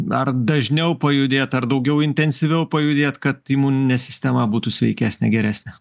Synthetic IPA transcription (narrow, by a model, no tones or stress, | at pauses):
ɐrd̪ɐʒʲnʲɛʊpɐjʊd̪ʲeːt̪ɐrd̪ɐʊɡʲɛʊɪnʲt̪ʲɛnʲsʲɪʋʲɛʊpɐjʊd̪ʲeːt̪kɐt̪imuːnʲɪnʲɛsʲɪsʲt̪ʲɛmɐbuːt̪usʲʋʲɛ̰ɪkʲæːsʲnʲɛ̰ɡʲɛɾʲæːsʲnʲɛ